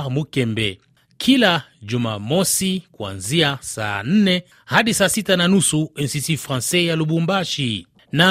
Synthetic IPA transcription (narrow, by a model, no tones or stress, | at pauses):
mukɛmbɛ̰ | kʰilad͡ʒuma̰mosikwa̰nziasa̰n̩nɛ | hadisasitananusuɛnsisifʁãnsɛjalubumbaʃi | na